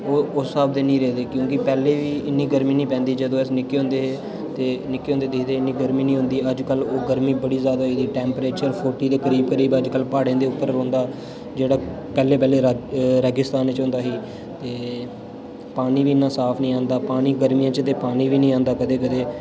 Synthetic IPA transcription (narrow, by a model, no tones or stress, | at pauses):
oːʊsːaːbd̪eːnĩːɾeːd̪eːkjõːkɪpɛːleːʋiːɪnːiːɡəɾmĩːnĩːpɛ̃ːnd̪iːd͡ʒəd̪õːɪsnɪkːeːɦʊ̃nd̪eːɦeː | t̪eːnɪkːeːɦõnd̪eːd̪ɪkt̪eːɪnːiːɡəɾmiːnĩːɦʊ̃nd̪iːəd͡ʒkəloːɡəɾmiːbəɽiːzjaːd̪aːɦiːd̪iːʈɛ̃ːmpɾeːt͡ʃəɾpʰoːʈiːd̪eːkəɾiːb̚kəɾiːbəd͡ʒkəlpaːɽẽːd̪eːʊpːəɾːõːnd̪aː | d͡ʒeːɽaː | pɛːleːpɛːleːɾɾəɡɪst̪aːnt͡ʃɦʊ̃nd̪aːɦiː | t̪eː | paːniːʋiːɪnːãːsaːpʰnĩːãːnd̪aːpaːniːɡəɾmijãːt͡ʃt̪eːpaːniːʋiːnĩːãːnd̪aːkəd̪eːkəd̪eː